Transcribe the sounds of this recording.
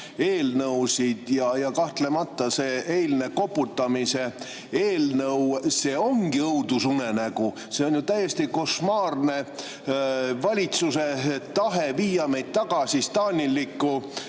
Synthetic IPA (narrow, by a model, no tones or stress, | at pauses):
e̞ːlnɤwsid̪̥jɑjɑkɑht̪le̞mɑt̪ːɑse̞ːejlne̞ko̞pːˑut̪ːɑmise̞ | e̞ːlnɤwse̞ːo̞ŋɡ̥iɤud̪̥usune̞næɡ̥u | se̞o̞nʲjut̪æjest̪iko̞smɑːrne̞ | vɑlʲit̪suse̞t̪ɑɦe̞viːjɑme̞jd̪̥̚t̪ːɑɡ̥ɑsist̪ɑːnʲilːikːˑu